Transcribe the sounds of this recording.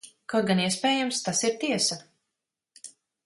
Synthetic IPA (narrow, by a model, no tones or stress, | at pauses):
kɔɡaniɛspɛːjamst̪asiɾt̪iɛsa